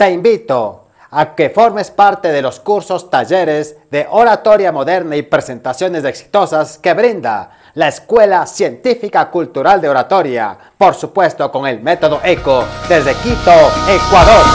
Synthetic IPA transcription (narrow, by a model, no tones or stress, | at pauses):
t̪e̞imbit̪o | akefo̞ɾme̞spaɾt̪e̞ðelo̞skuɾso̞st̪aʝe̞ɾe̞zðe̞ʔoɾat̪o̞ɾjamo̞ðe̞ɾnaipɾe̞se̞nt̪asjo̞nezeksi̥t̪o̞saske̞βɾind̪a̰ | laeskwe̞lasje̞nt̪ifikakult̪uɾald̪eo̞ɾat̪o̞ɾja̰ | po̞ɾsupwe̞st̪o̞ko̞ŋe̞lme̞t̪o̞ðoʔe̞koðe̞zðekit̪o̞ekwaðoɾ